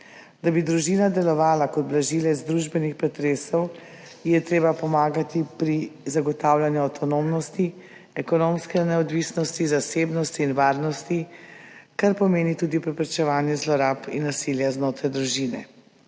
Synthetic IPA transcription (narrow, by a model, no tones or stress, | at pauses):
d̪abid̪ɾuʒiːnad̪ɛlɔʋaːlakɔd̪blaʒiːlɛzd̪ɾuʒbɛnixpɾɛt̪ɾeːsɔw | jɛt̪ɾeːbapɔmaːɡat̪ipɾizaɡɔt̪aːwlanjuawt̪ʰɔnomnɔst̪i | ɛkɔnomskɛnɛɔd̪ʋisnɔst̪izaseːbnɔst̪iːnʋaːɾnɔst̪i | kaɾpɔmeːnit̪uːd̪ipɾɛpɾɛt͡ʃɛʋaːnjɛzlɔɾapinːasiljaznoːt̪ɾajd̪ɾuʒiːnɛ̰